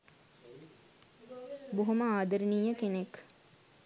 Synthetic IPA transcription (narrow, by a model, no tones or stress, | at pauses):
boɦuməaːd̪əɾiniːjəkenek